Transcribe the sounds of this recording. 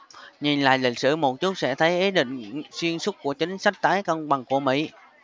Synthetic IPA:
ɲi˨˩nla̰ː˧˨jlï˨˩k̟̚sɨ̰˧˩mo˨˩t̚t͡ɕu˦˥t̚sɛ̰˧˥t̪ʰə˨˦jʔi˨˦ɗḭ̈˧˨ŋ̟swi˧ənsʊ˦˥t̚ku˧˩ət͡ɕï˨˦ŋ̟sa˦˥k̟̚t̪aː˨˦jkə˧wŋ͡mɓa˨˩ŋku˧˩əmḭ˧˥˨

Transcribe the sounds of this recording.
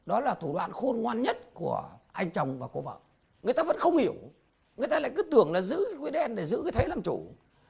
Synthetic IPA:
ɗɔ˨˦laː˨˩t̪ʰu˧˩ɗwa̰ː˧˨nxo˧nŋwaː˧nɲə˦˥t̚ku˧˩əʔa˧jŋ̟t͡ɕə˨˩wŋ͡mvaː˨˩ko˧və̰ː˧˨ʔ | ŋɨ˨əjt̪aː˧və̰˧˥nxə˧wŋ͡mhi˧˩əw | ŋɨ˨˩əjt̪aː˧la̰ː˧˨jkɨ˨˦t̪ɨ˨˩əŋlaː˨˩zɨ̰˧˥kwi˨˦ɗɛ˧nɗe˧˩zɨ̰˧˥kɨ˨˧˦jt̪ʰə˨˦lə˨˩mt͡ɕu˧˩

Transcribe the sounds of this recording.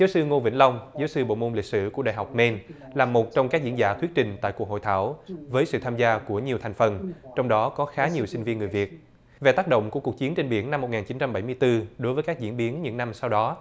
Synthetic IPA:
zaː˨˦wsɨ˧ŋo˧nvḭ˧˥la˧wŋ͡mzaː˨˦wsɨ˧ɓo̰˧˨mo˧nlï˨˩k̚sɨ̰˧˨kəɗa̰ː˧˨jɦa˨˩wk͡p̚me˧n | laː˨˩mo˨˩t̚t͡ɕɔ˧wŋ͡mkaː˦˥k̚zi˧ənzaː˧˩t̪ʰwi˦˥t̚t͡ɕï˨˩ŋ̟t̪a̰ː˧˨jku˨˩ək̚ho̰˧˨jt̪ʰaː˧˩wvəː˨˦jsɨ̰˧˨t̪ʰaː˧mzaː˧ku˧˩əɲi˨˩ət̪ʰa˨˩jŋ̟fə˨˩nt͡ɕɔ˧wŋ͡mɗɔ˨˦kɔ˨˦xaː˨˦ɲi˨˩əwsi˧ŋ̟vi˧ənŋɨ˨˩əjvi˨˩ət̚ | ve˨˩t̪aː˦˥k̚ɗo̰˧˨ŋ͡mku˧˩əku˨˩k̚t͡ɕi˨˦ənt͡ɕe˧nɓi˧˩ənna˧mːo˨˩t̚ŋaː˨˩nt͡ɕi˨˦nt͡ɕa˧mɓa˧˩jmɨ˧jt̪ɨ˧ɗo˨˦jvəː˨˦jkaː˦˥k̚zḭ˧˥ənɓi˨˦ənɲɨ̰˧˥ŋna˧msa˧wɗɔ˨˦

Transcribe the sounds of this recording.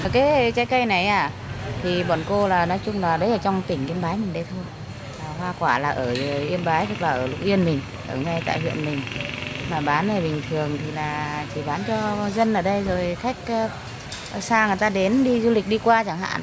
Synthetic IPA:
kaː˨˦jt͡ɕa˨˦jkə˧jna˨˩jʔaː˨˩ | t̪ʰi˨˩ɓɔ˨˩nko˧laː˨˩nɔ˨˦jt͡ɕʊ˧ŋ͡mlaː˨˩ɗə˨˦jʔəː˧˩t͡ɕɔ˧wŋ͡mt̪ï˨˩ŋ̟ʔi˧ənɓaː˨˦jmi˨˩nɗə˨˧˦jt̪ʰo˧j | aː˨˩ɦwaː˧kwaː˧˩laː˨˩ʔəː˧˩ə˨˩ʔi˧ənɓaː˨˦jt̪ə˨˦˩k̚laː˨˩ʔəː˧˩lʊ̰˧˩k͡p̚ʔi˧ənmï˨˩ŋ̟ | ʔəː˧˩ŋa˧˩jt̪a̰ː˧˨jhwḭ˧˨ənmï˨˩ŋ̟maː˨˩ɓaː˨˦nvəː˨˩ɓï˨˩ŋ̟t̪ʰɨ˨˩əŋt̪ʰi˨˩laː˨˩t͡ɕi˧˩ɓaː˨˦nt͡ɕɔ˧zə˧nʔəː˧˩ɗə˧jzo˨˩jxa˦˥jk̟̚ː | saː˧ŋɨ˨˩əjt̪aː˧ɗe˨˦nɗi˧zu˧lï˨˩k̟̚ɗi˧kwaː˧t͡ɕa˧˩ŋɦa̰ː˧˨n

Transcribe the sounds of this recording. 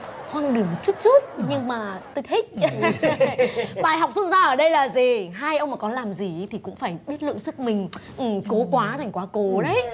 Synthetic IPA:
xwaː˧ŋɗɨ˨˩əmo˨˩t̚t͡ɕu˦˥t̚t͡ɕu˦˥t̚ɲɨ˧ŋmaː˨˩t̪o˧jh̪ʰi˦˥t̚ | ɓaː˨˩jɦa˨˩wk͡p̚su˦˥t̚zaː˧ʔəː˧˩ɗə˧jlaː˨˩zi˨˩ɦaː˧jʔə˧wŋ͡mmaː˨˩kɔ˨˦laː˨˩mzi˨˩˦t̪ʰi˨˩kʊ̰˧˥ŋ͡mfaː˧˩jɓi˦˥t̚lɨ̰˧˨əŋsɨ˦˥k̚mï˨˩ŋ̟ʔɨ˨˩ko˨˦kwaː˨˦t̪ʰa˨˩ŋ̟kwaː˨˦ko˨˦ɗə˨˦j

